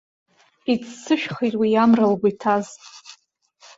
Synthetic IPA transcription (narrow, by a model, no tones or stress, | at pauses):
it͡sʰsɨʃᶣχijtʼwijamralɡʷatʰaz